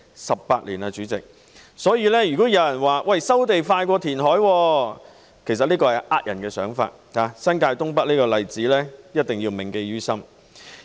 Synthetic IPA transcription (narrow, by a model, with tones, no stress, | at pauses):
sɐ˨ppaː˧t̚liː˨˩naː˧t͡ʃyː˨˥t͡sɪ̰˨k̚ | sɔː˨˥jiː˧lɛː˥jy˨kɔː˨˥jɐ˨˧˥wjɐ˨˩nwaː˨˩wʔɐ˨jsɐ˥wt̪e˨jfaː˧jkʷɔː˧t̪ʰiː˨˩nɦɔː˨˥jwɔː˧ | kʰe˨˩js̬ɐ˨t̚liː˥kɔː˧ɐ˨jʔaː˦˥t̚jɐ˨˩nkɛː˧sœː˨˥ŋfa̰ː˧t̚haː˨˧sɐ˥nkaː˧jt̪ʊ˥ŋpɐ˥t̚liː˥kɔː˧lɐ˨jt͡siː˨˥lɛː˥jɐ˥t̚t̪ɪ˨ŋjiː˧wmɪ˨ŋke˧jjyː˥sɐ˥m